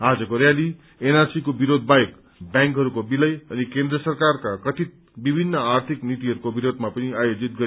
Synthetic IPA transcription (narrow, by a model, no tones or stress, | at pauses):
ad͡zʌkoɾjali | enarsikobiɾod̪ʱbajek | bjãŋkɦʌɾukobilʌjʌnikend̪rʌsʌrkarkakʌt̪ʰit̪̚ | bibʱinːʌart̪ʰiknit̪iɦʌɾukobiɾod̪ʱmapʌniajod͡zit̪̚ɡʌɾ